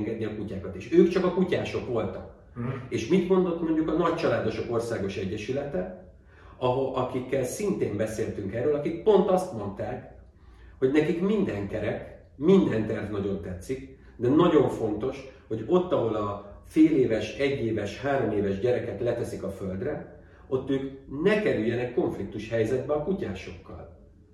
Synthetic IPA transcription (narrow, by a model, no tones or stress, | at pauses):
ŋɡɛd̪niɒkucaːkɒt̪eːʃøːkt͡ʃɒkɒkucaːʃo̞kʋo̞lt̪ɒk | eːʃmit̪mo̞nd̪o̞t̪mo̞ɲɟukɒnɒct͡ʃɒlaːd̪o̞ʃo̞ko̞rsaːɡo̞ʃɛɟːɛʃylɛt̪ɛ | ɒɦʔɒkikːɛlsint̪eːmbɛseːlt̪yŋkɛrːøːlɒkik̚po̞nt̪ɒst̪mo̞nt̪aːk | ho̞ɟnɛkikmind̪ɛŋkɛɾɛk | mind̪ɛnt̪ɛrvnɒɟo̞nt̪ɛt̪sːik | d̪ɛnɒɟo̞ɱfo̞nt̪o̞ʃho̞ɟo̞t̪ːɒɦo̞lɒfeːleːvɛʃɛɟːeːvɛʃhaːɾo̞meːvɛʒɟɛɾɛkɛt̪lɛt̪ɛsikɒfø̞ld̪rɛ | o̞t̪ːøːknɛkɛɾyjːɛnɛkːo̞ɱflik̚t̪uʃhɛjzɛd̪bɛɒkucaːʃo̞kːɒ̰l